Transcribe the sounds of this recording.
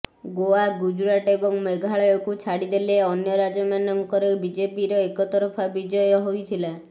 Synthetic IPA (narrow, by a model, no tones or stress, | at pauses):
ɡoaɡud͡ʒuɾaʈebɔŋmeɡʱaɭɔjɔkut͡ʃʰaɽid̪eleɔnjɔɾad͡ʒɔmanɔŋkɔɾebid͡ʒepiɾɔekɔt̪ɔɾɔpʰabid͡ʒɔjɔɦojt̪ʰila